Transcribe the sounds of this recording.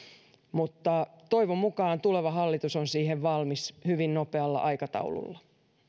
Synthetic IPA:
mut̪ːɑt̪oiʋomːukɑːnt̪uleʋɑɦɑlːit̪usonsiːheʋʋɑlmishyʋinnopeɑlːɑ̰ʔɑikɑt̪ɑ̰ulṵlːɑ

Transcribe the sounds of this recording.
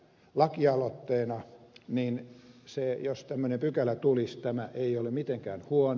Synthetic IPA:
lɑkiɑlot̪ːeːnɑninsejost̪æmːønempykælæt̪ulist̪æmæʔeiolemit̪eŋkæːnhuon

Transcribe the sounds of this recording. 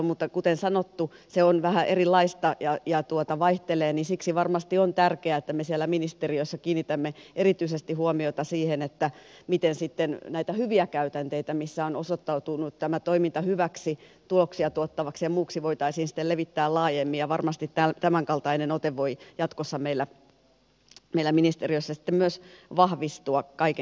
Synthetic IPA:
mut̪ːɑkut̪ensɑnot̪ːuseonʋæhæʔerilːɑist̪ɑjɑjɑt̪uot̪ɑʋɑiht̪eleːnisiksiʋɑrmɑst̪iont̪ærkeæet̪ːæmesielːæminist̪eriosːɑkiːnit̪æmːeerit̪yisest̪ihuomioit̪ɑsiːhenet̪ːæmit̪ensit̪ːennæit̪æhyʋiækæyt̪ænt̪eit̪æmisːæonosot̪ːɑut̪unut̪t̪æmæt̪oimint̪ɑhyʋæksit̪uloksiɑt̪uot̪ːɑʋɑksijɑmuːksiʋoit̪ɑisiːnsi̥t̪ːelleʋit̪ːæːllɑːjemːijjɑʋɑrmɑst̪it̪tæt̪æmæŋkɑlt̪ɑinenot̪eʋʋoijɑt̪kosːɑmeilːæ | meilːˑæminist̪erioisːɑsi̥t̪ːemyøsʋɑhʋist̪uɑkɑik

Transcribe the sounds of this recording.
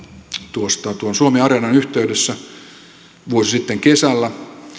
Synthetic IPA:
t̪uost̪ɑt̪uonsuomeɑrenɑnyht̪eydesːæ | ʋuosisit̪ːeŋkesælːæ

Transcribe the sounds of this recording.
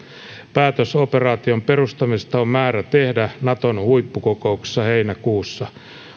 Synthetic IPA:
pæːt̪øsoperɑːt̪io̞mpe̞rust̪ɑmist̪ɑommæːɾæt̪ehdænɑt̪onhuipːukoko̞ukse̥sːɑheinækuːsːɑ

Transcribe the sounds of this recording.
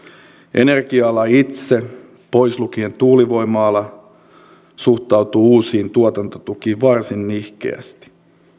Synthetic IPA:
ʔe̞̰ne̞rɡiɑlɑit̪se̞ | po̞jslukie̞nt̪uːliʋo̞jmɑːlːɑ | suxt̪ɑwt̪uuːsiːnt̪uot̪ɑnt̪ot̪ukiːʋʋɑrsinːihkḛæ̰st̪i̥

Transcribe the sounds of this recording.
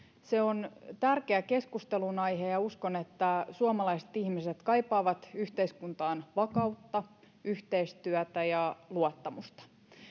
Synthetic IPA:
seont̪ærkeæke̞skust̪elunɑjɦejɑuskonet̪ːæsuɑmɑlɑise̥t̪ihmiset̪kɑjpɑːʋɑt̪yht̪eiskunt̪ɑːnʋɑkɑut̪ːɑ | yht̪eist̪yæt̪æjɑluot̪ːɑmust̪ɑ̥

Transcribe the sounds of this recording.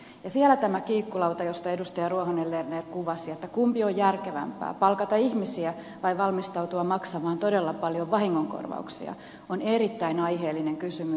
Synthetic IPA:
jɑsiælːæt̪æmækiːkːulɑwt̪ɑjo̞st̪ɑe̞dust̪ɑjɑruohonelːernerkuʋɑsiet̪ːækumpiojjærkeʋæ̰mpæ̰ːpɑlkɑt̪ɑihmisiæ | ʋɑjʋɑlmist̪ɑut̪uɑmɑksɑmɑːnt̪o̞delːɑpɑljoʋʋɑhiŋːoŋko̰rʋɑ̰uksḭɑ̰ | oneɾit̪ːæinɑjɦeːlːine̞ŋkysymy

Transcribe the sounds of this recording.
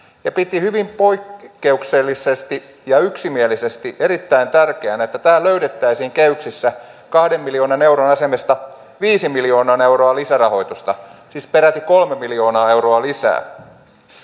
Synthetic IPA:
jɑpit̪ihyʋimpoikːeukselːisest̪i | jɑyksimielisest̪iʔeɾit̪ːæint̪ærkeænet̪ːæt̪æːlløyɾet̪ːæisiːŋkeyksisːæ | kɑhdemːiljoːnɑneuɾonɑsemest̪ɑ | ʋiːsimiljoːnɑːneuwroɑlisærɑho̞it̪ust̪ɑsiːspeɾæt̪ikolmemiljo̞ːnɑːeuroɑlisæ̰ː

